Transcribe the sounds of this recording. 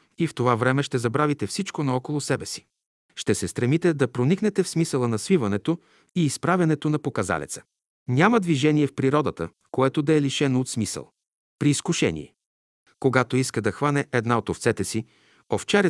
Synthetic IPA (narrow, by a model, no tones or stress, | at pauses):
ift̪ovavɾɛmɛʃt̪ɛzɐbɾavit̪ɛfsit͡ʃkonɐɔkolˠosɛbɛsi̥ | ʃt̪ɛsɛst̪ɾɛmit̪ɛd̪ɐpɾoniknɛt̪ɛfsmisəlˠənɐsvivɐnɛt̪o | iːspɾavʲɐnɛt̪onɐpokɐza̰lɛ̰t̪sə̥ | nʲamɐd̪viʒɛniɛfpɾiɾɔd̪ət̪ə̰ | koɛt̪od̪ɐɛliʃɛnoːt̪smisə̰lˠ | pɾiːskuʃɛ̰nʲḭɛ̰ | koɡat̪oiskəd̪ɐxvanɛʔɛd̪naot̪oft̪sɛt̪ɛsi | oft͡ʃɛɾɛ